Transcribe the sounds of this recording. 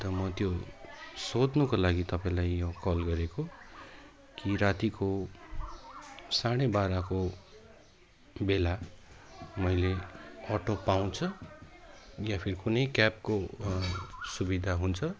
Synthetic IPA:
t̪ʌmʌt̪jo | sod̪nukolaɡit̪ʌpaĩlajːokʌlɡʌɾeko | kiɾat̪iko | saɽ̃ebaɾako | bela | mʌjleʌʈopaw̃t͡sʰʌ | japʰiɾikunʌjkap̚ko | subid̪ʱaɦunt͡sʰʌ

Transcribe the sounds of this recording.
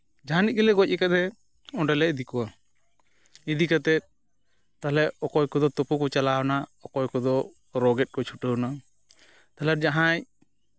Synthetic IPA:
d͡ʒaɦanit̚ɡɛlɛɡɔc̚ˀɛkad̪ɛ | ɔɖɛlɛʔd̪ikɔwa | id̪ikat̪ɛt̪̚ | t̪alɛʔɔkɔjkɔd̪ɔt̪ɔpukɔt͡ʃalawɔnaɔkɔjkɔd̪ɔ | ɾɔɡɛt̪̚kɔt͡ʃʰuʈəwna | t̪alɛɾ̚d͡ʒaɦãɲ

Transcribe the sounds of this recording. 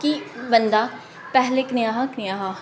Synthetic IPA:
kibənd̪aː | pɛɦleːknɪjaːɦaknɪjaːɦa

